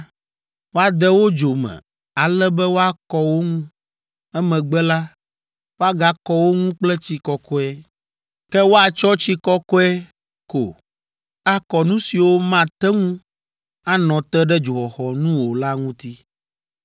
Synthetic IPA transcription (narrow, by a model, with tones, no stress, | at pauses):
wo˦a˨d̪ɛ˦wo˦d͡ʒo˨mɛ̰̃˨ | a˨lɛ˦bɛ˦wo˦a˦kɔ˦wo˦ŋũ˦ | ɛ˦mɛ̃˨ɡ͡bɛ˦la˦ | wo˦a˦ɡa˦kɔ˦wo˦ŋũ˦k͡plɛ˦t͡ɕi˦kɔ˨kʰɔ˦ɛ˦ | kɛ˦wo˦a˨t͡ʃɔ˦t͡ɕi˦kɔ˦kɔ˦ɛ˦ | ko̰˨ | a˦kɔ˨nũ˦si˨wo˦mã˦˨t̪ɛ˦ŋũ˦ | a˦nɔ̃˨t̪ɛ˦ɖɛ˦d͡ʒu˨xɔ˨xɔ˨nũ˦wo˨la˦ŋũ˦t̪i˦